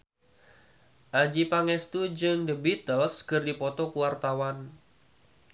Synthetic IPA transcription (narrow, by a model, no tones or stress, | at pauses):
ʔad͡ʒipaŋɛst̪ud͡ʒɨŋdəbit̪əlskɨrdipɔt̪ɔkuwart̪awan